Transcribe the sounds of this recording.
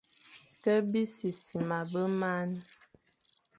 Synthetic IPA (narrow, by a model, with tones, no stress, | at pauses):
tə˦bi˦si˨si˨ma˨bə˦ma˦n˦